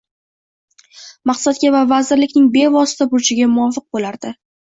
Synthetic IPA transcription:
mɑqsat̪̚ɡʲavavazɪɾlɪkʲnɪŋbe̞vɒsɪ̥t̪ʰabʊɾt͡ʃʰɪɡʲamʊɒfɨq̚bolaɾd̪ɪ

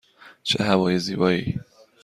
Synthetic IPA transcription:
t͡ʃʰḛɦævɒːjeziːbɒːiː

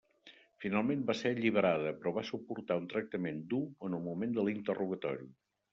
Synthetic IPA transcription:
finalˠmembasɛʎiβ̞əɾaðəpɾɔβasupuɾt̪aunt̪ɾək̚t̪əmend̪uənulmumend̪əlint̪ərʔuɣət̪ɔ̰ɾi

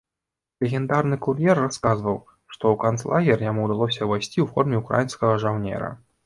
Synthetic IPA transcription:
lʲɛɣʲɛnd̪arnɨkurjɛrːaskazvɐw | ʂt̪ɔwkant̪slˠaɣʲɛrjamuwd̪alˠɔs̬ʲɐvajsʲt͡sʲiwfɔrmʲɛukɾa̰jinskɐɣɐʐawnʲɛ̰ɾɐ̰

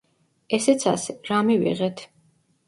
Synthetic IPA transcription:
ɛsɛt̪sʰa̰sɛɾamivḭʁɛt̪ʰ

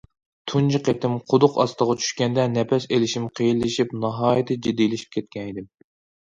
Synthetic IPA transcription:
t̪ʰund͡ʒʰɨqet̪ʰɪmqʰʊd̪ʊqɑst̪əʁɑt͡ʃʰy̥ʃkʲɛnd̪ɛnɛpɛselɪʃimqʰejilːɪʃipnɑɦɑːjit̪ʰɨd͡ʒid̪ːilɪʃi̥p̚kʲʰɛt̪̚kʲʰɛnid̪ɪm

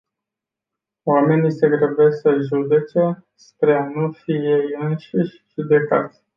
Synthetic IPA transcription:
oame̞nʲiseɡɾevesəʒud̪e̞t͡ʃe̞ | spɾeanufije̞jɨnʃiʃʲ | ʒud̪e̞ka̰t̪sʲ

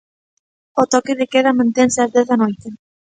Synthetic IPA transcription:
ot̪okeðekeðamãnt̪ɛnseazðɛθðanojt̪e

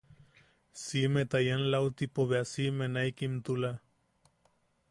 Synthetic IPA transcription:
simet̪ajanlawt̪ipoβeasimenaikimt̪ula

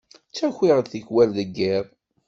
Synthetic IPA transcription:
t͡sːæçiʁəðθiçwælðəɡːiɾ

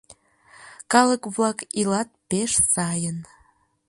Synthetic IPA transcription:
kɑləkβlɑkilɑt̪̚peʃsɑjən

